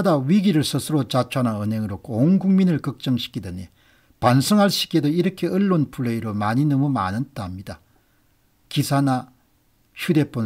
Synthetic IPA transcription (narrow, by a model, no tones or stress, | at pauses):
adawiɡiɾɯɭsʰɯsʰɯɾot͡ɕat͡ɕʰoanaɯnɦeŋɯɾok͈ʰoonɡuŋminɯɭkʌk̚t͡ɕ͈ʌŋɕʰi̥k͈idene | pansʰɯŋɦaɭɕ͈ʰi̥kedoiɾʌkʰe̞ɯɭːonpʰuɭːeiɾomaɲinɯmoma̰nɯnt͈aɦamɲida | kisʰana | çude̞p͈on